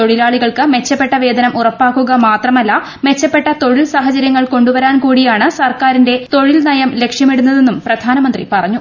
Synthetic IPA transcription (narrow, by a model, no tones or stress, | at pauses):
t̪o̞ɻilaːɭiɣɐɭkɨme̞t͡ɕːɐpːe̞ʈːɐʋe̞ːd̪ɐnɐmurɐpːaːkːuɣɐmaːt̪rɐmɐlːɐ | me̞t͡ɕːɐpːe̞ʈːɐt̪o̞ɻilsaːɦɐt͡ɕɐɾjɐŋːɐɭko̞ɳɖuʋɐɾaːnkuːɽijaːɳɨsɐrkaːɾinde̞t̪o̞ɻilnɐjɐmle̞kʂjɐmeɽunːɐðe̞nːumprɐd̪ʱaːnɐmɐnd̪rḭpɐrɐɲːu